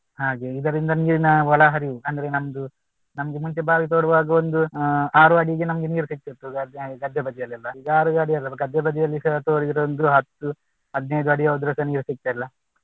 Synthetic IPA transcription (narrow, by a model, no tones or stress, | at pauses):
ɦaːɡeid̪ɐɾind̪ɐniːɾinɐʋɐɭɐɦɐɾiʋuɐnd̪ɐɾenɐmɐd̪u | nɐmɐɡemuɲt͡ʃebaːʋit̪oːɽuʋaːɡɐond̪uaːɾuɐɽiɡenɐmɐɡe̞niːɾusik̚t̪it̪ːuɐd̪aːɡeɡɐd̪ʱjɐbɐd̪ijɐlːɐlːɐiɡaːɾuɐɽijɐlːɐkɐd̪jɐbɐd̪ijɐlːiɐt̪oːɽiiɾoond̪uɦɐt̪ːu | ɐd̪nejd̪uɐɽiɐod̪ɾɐsɐniːɾusik̚t̪ɐilːɐ